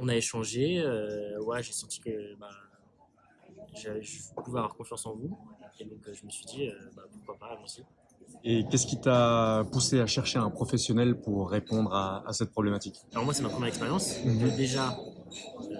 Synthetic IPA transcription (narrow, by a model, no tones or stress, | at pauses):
ɔ̃naeʃɑ̃ʒeøwɛʒesɑ̃t̪i̥kəba | ʒaʒəvupuveavwaʁkɔ̃fjɑ̃sɑ̃vued̪ɔ̃køʒəməsɥid̪iøbapuʁkwapavɔ̃si | ekʲɛskʲit̪apuseaʃɛʁʃeɛ̃pχɔfɛsjɔnɛlpuʁːepɔ̃d̪ʁa̰ːsɛt̪̚pχɔblemat̪ikalɔʁmwasɛmapχəmjɛʁɛkspeʁjɑ̃sd̪eʒa | ø